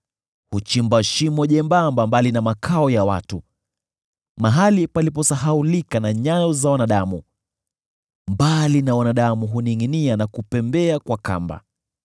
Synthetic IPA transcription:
hut͡ʃimbaʃimɔʄɛmbambambalinamakʰaɔjawa̰tu | maɦalipalip̬ɔsaɦaulikanaɲajɔzawanaɗamu | mbalinawanaɗamuɦuniŋinianakupɛmbɛakwaka̰mba̰

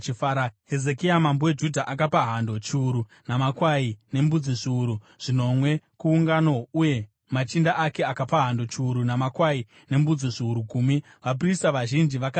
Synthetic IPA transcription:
t͡ʃifaɾaɦeze̞kiamambowe̞d͡ʒudʱaʔak̬apaɦando̞t͡ʃiuɾu | namakwaine̞mbud͡ziʐiːɾu | ʐ̥ino̞mwe̞kuːŋɡano̞uje̞ | mat͡ʃindaʔake̞akapaɦando̞t͡ʃiuɾunamakwai | ne̞mbud͡ziʐiuɾukuːmi | ʋap̬ristaʋaʒind͡ʒiʋaka

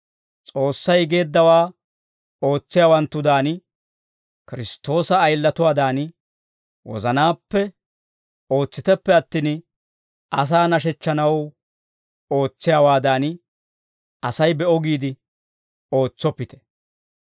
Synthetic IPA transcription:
t͡sʼo̞ːsːɐjɡe̞ːd̪ːɐwaː | o̞ːt͡sːɪjaːwɐnt̪ːʊd̪aːn | kɪɾɪst̪ːo̞ːsɐːjlːɐt̪ʊwaːd̪aːn | wɔ̰zɐnaːpːɛ | o̞ːt͡sːɪt̪ɛpːɛɐt̪ːiːn | ʔɐs̬aːnɐʃ̬ɛt͡ʃːɐnɐw | o̞ːt͡sːɪjaːwaːd̪aːn | ɐsɐjbɛɔɡiːd̪ɪ | o̞ːt͡sːɔpːɪt̪ɛ̥

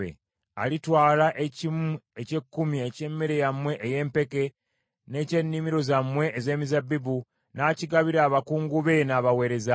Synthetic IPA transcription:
ḛ | a̰litwaːlaʔeciece̞kːumiece̞mːeɾe̞jamwe̞ʔːje̞ːmpe̞ke̞ | ne̞ːce̞nːimiɾo̞zamwe̞ːze̞ːmizabːibu | naːciɡaβiɾaːβakuːŋɡuβe̞naβawe̞ːɾe̞za

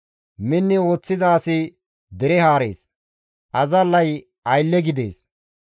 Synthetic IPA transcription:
mɪnːɪo̞ːt͡sːɪzaːsɪ | d̪ɛɾɛhaːɾḛːs | ʔɐzɐlːɐj | ɐjlːɛɡɪd̪ḛːs

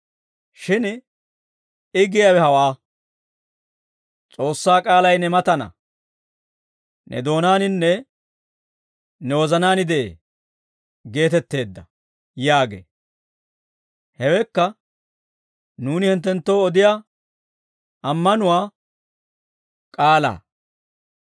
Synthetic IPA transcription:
ʃɪn | ɪɡɪjawɛhɐwaː | t͡sʼo̞ːsːaːkʼaːlɐjnɛmɐt̪ɐnɐ̰ | nʔɛ̰d̪o̞ːnaːnɪnːɛ | nɛwɔzɐnaːnɪd̪ɛʔeː | ɡe̞ːt̪ɛt̪ːe̞ːd̪ːɐ | jaːɡḛ | hɛwɛkːɐ | nuːnɪhɪnt̪ːɛnt̪ːo̞ːɔd̪ɪja | ɐmːɐnʊwaː | kʼaːla̰ː

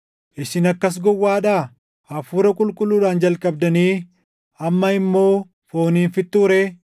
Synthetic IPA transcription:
ʔɪʃɪnɐkːɐs̬ɡɔwːaːᶑaː | ɐfuːɾɐkʼʊlkʼʊlːuːᶑaːnd͡ʒɐlkʼɐb̚d̪ɐniː | ɐmːɐɪmːo̞ː | fo̞ːniːnfɪt̪ːuːɾe

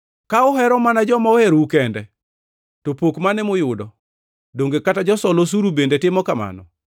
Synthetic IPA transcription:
kaʊɦɛɾɔmanad͡ʒɔmaohɛɾukɛndɛ | topokmanɛmʊjʊdɔ | doŋɡekatad͡ʒɔsɔlos̬uɾubendetɪmɔkama̰nɔ̰

